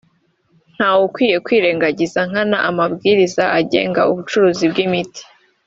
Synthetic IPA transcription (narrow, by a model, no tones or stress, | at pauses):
n̥haːwukwiːje̞kwiːɾe̞ːŋɡaɟizaŋ̥hana̰ʔamabɡiːɾizaʔaɟe̞̰ːŋɡa̰uβut͡ʃuɾuːzibɡimiti̥